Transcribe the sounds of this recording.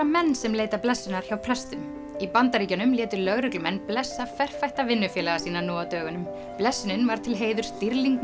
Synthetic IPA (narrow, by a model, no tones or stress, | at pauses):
amɛnːsɛmleːjt̪aplɛsːʏnaɾ̥çawpʰl̥ɛst̪ʏm | ipant̪aɾiːcanʏmljɛːt̪ʏɾlœɣɾʏklʏmɛnːplɛsːafɛr̥fajht̪avɪnːʏfjɛːlaɣasiːnanɔːat̪œːɣʏnʏm | plɛsːʏnʏnvaɾ̥t̪ʰɪlɦeːjðʏɾ̥st̪iɾliŋk